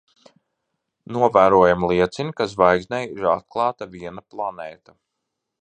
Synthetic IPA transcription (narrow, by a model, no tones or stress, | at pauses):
nuɔvæːɾuɔjamlˠiɛt̪sinʲikas̬vajɡsʲnʲɛjiɾat̪̚klˠɑːt̪aviɛnaplˠanɛːt̪a